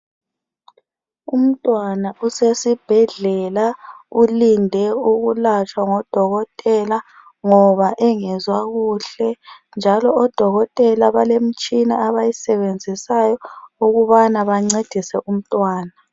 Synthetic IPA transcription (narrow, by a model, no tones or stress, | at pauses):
um̩tʼwanaʔusesib̥ʱɛɮɛlaulindʱɛuɣulat͡ʃʼwaŋɔd̥ʱɔɣɔtʼɛla | ŋɔβaʔɛŋɛzwaɣuːɬɛnd͡ʒʱalɔʔɔd̥ʱɔɣɔtʼɛlaβalem̩t͡ʃʼinaːβajisɛβend͡zʱisajɔuɣuβanaβaŋ͡ǀed̥ʱisɛʔum̩tʼwaːna